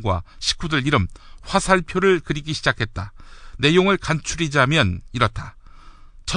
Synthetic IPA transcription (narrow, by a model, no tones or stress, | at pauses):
ɡwa̰ɕʰi̥k͈ʰudɯɭiɾɯmɸwasʰaɭpʰjoɾɯɭkɯɾiɡiɕʰid͡ʑakʰe̞t̚t͈ane̞joŋɯɭkant͡ɕʰuɾid͡ʑamjʌniɾʌt͈ʰa | t͡ɕʌ